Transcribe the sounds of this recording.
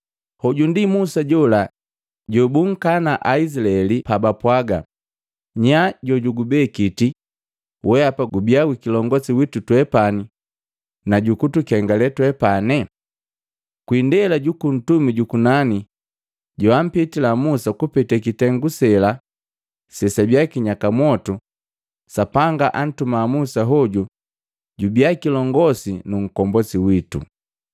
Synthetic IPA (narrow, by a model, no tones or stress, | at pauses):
hɔɟundimusaɟɔla | ɟɔbuŋ̩kanaʔais̬ilaɛlipabapwaɡa̰ | ɲaɟɔɟuɡubɛkiti | wʔɛapaɡubiaɡwikilɔŋɡɔsiwitutwɛpani | naɟukutukɛŋɡalɛtwɛpanɛ | kwindɛlaɟukun̩tumiɟukunani | ɟuwam̩pitilamusakupɛtɛkitɛŋɡusɛla | sɛsabjakiɲakamwɔtu | sapaŋɡaʔan̩tumamusaɦɔɟu | ɟubiakilɔŋɡɔsinuŋ̩kɔmbɔsiwitṵ